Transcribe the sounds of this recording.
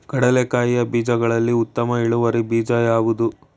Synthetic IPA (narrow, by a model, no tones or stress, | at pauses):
ɡ̥ɐɽɐlekaːjijɐbiːd͡ʒɐɡɐɭɐlːiut̪ːɐmɐiɭuʋɐɾibiːd͡ʒɐjaːʋud̪u